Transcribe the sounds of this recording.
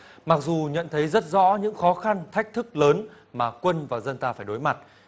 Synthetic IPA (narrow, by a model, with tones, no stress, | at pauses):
ma˨˩k̚zu˨˩ɲə̰˧˨nt̪ʰə˨˦jzə˦˥t̚zɔ̰˧˥ɲɨ̰˧˥ŋxɔ˨˦xa˧nt̪ʰa˦˥jk̚t̪ʰɨ˦˥k̚ləː˨˦n | maː˨˩kwə˧nvaː˨˩zə˧nt̪aː˧faː˧˩jɗo˨˦jma˨˩t̚